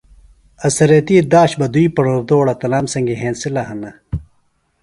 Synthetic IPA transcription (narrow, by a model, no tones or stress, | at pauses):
ɐsɐɾet̪iːd̪aːɕbɐd̪uipɐɽoːɾd̪oːɽɐt̪ɐlaːmsɐŋɡiɦẽːnsilɐhɐnɐ